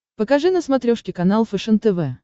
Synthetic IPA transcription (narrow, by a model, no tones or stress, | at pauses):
pəkɐʐɨnəsmɐt̪ɾʲoʂkʲɪkɐnalˠfɛʂənt̪ɛvɛ